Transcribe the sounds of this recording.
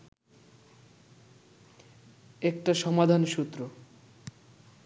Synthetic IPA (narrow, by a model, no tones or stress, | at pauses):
ek̚ʈaʃɔmad̪ʱanʃut̪ːɾo